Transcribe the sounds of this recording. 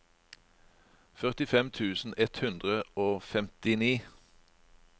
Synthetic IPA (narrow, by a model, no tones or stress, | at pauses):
fœʁt̪ɪfɛmt̪ʰʉːsn̩ɛt̪hʉnd̪ʁəoːfɛmt̪ɪniː